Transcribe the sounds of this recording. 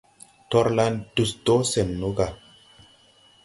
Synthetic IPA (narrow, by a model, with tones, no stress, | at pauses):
tɔ˦ɾla˦ndu˨sto˦se˨nːu˦ɡa˨